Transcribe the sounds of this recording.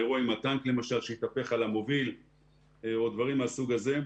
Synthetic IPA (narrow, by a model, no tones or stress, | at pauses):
eʁuaimat̪aŋkle̞maʃalʃeit̪ape̞χalamo̞vil | eod̪vaʁimasuɡaze̞